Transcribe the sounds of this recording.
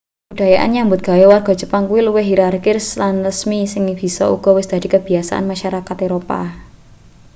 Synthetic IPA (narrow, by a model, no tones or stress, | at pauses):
əb̥uɖ̥a̤jaʔa̰nɲambʊt̪̚ɡ̥a̤jɔwarɡ̥ɔ̤d͡ʒ̥ə̤paŋkuwiluwɪɦiɾarkɪrslanrəsmisɪŋb̥i̤sɔ̰ṵɡ̥ɔ̤wɪsd̪̥a̤d̪̥i̤kəb̥i̤asa̰ʔa̰nmaʃaɾakat̪eɾopa̰